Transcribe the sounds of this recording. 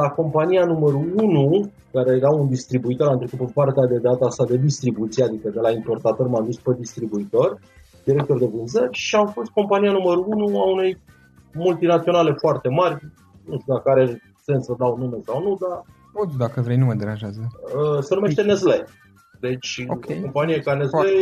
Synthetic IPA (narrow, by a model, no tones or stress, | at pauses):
lako̞mpanijanuməɾuunu | kaɾe̞jɾaund̪ist̪ɾibuit̪o̞ɾant̪ɾekut̪pəpart̪ead̪e̞d̪at̪əasad̪e̞d̪ist̪ɾibut̪siead̪ikəd̪e̞laimpo̞rt̪at̪o̞rmamd̪usped̪ist̪ɾibuit̪o̞rʲ | d̪iɾe̞k̚t̪o̞rd̪e̞vɨnzərʲʃiafo̞st̪̚ko̞mpanijanuməɾuunuaune̞j | mult̪inat̪sio̞nale̞foart̪e̞marʲ | nuʃt̪ud̪akaɾe | se̞nsəd̪awnumesawnud̪a | od̪akəvɾejnuməd̪eɾanʒazəəsənume̞ʃt̪enezle | d̪e̞t͡ʃʲokʲkeo̞mpanijekaneze